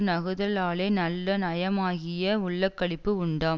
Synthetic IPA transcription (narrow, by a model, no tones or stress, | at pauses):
nɐɣɯðɐlaːleːnɐlːɐnɐjɐmaːɣɪjɐʊɭːɐkːɐɽɪpːɯʊɳɖaː